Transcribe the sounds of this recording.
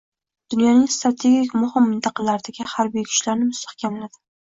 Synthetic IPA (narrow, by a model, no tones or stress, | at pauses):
d̪̥ʊnjɒnɪŋst̪ɾat̪ʰe̞ɡʲikʲmʊhɪmːɪnt̪ʰɑqʰɑlaɾɪd̪aɡʲɪhaɾbijkʰʊ̥t͡ʃlaɾnɪmʊst̪ʰḁhkʲamlad̪ɪ